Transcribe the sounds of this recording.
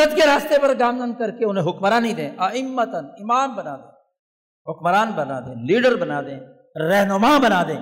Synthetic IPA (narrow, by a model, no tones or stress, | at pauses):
ət̪keɾaːst̪epɐɾɡaːmd̪ənkɐɾkeʊnɦẽɦʊkmɾaːnid̪ẽːʔɐɪmːət̪ənɪmaːmbɐnaːd̪ẽː | ɦʊkmɾaːnbɐna̰ːd̪ḛ̃ːliːɖəɾbɐnaːd̪ẽː | ɾɛɦnʊmabɐnaːd̪ẽː